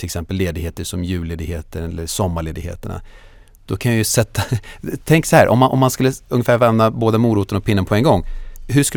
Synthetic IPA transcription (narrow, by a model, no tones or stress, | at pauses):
ɪlɛksɛmpəlːeːd̪ɪɡheːt̪əʂɔmjʉ̟ːleːd̪ɪɡheːt̪əɾɛlːəʂɔmːaɭeːd̪ɪɡhḛːt̪əɳa̰ | d̪̥ɔkʰanjajʏsɛt̪ːat̪ʰɛŋksɔhæːɾʔɔ̰mːanʔɔ̰mːanskɵlːəɵŋːəfæːɾvɛmnaboːd̪amuːɾuːt̪ənɔk̚pʰɪnːənpʰɔɛŋɡɔŋːhɵʂkɵl